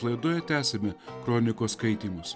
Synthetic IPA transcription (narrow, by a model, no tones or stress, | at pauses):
lˠɐɪd̪oːjɛt̪ʲæːsʲemʲɛkɾoːnʲɪkoːskɐɪt̪ʲiːmʊs